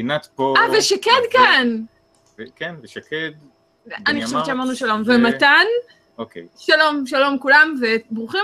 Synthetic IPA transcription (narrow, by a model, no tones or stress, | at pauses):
inat̪poaveʃaked̪kan | vkenveʃaked̪ | ʔaniχo̞ʃevt͡ʃeamaʁnuʃalo̞mvemat̪an | okḛjʃalo̞mʃalo̞mkulamvebʁuχi